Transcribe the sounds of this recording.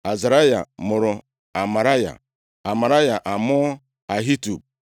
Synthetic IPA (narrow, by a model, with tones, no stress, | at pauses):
a˨za˨ɾa˦ja̰˨mʊ˨ɾʊ˨ | a˨ma˨ɾa˦ja̰˨ | a˨ma˨ɾa˦ja˨ʔa˨mʊ˦ | a˨ɦi˦tu˨b̚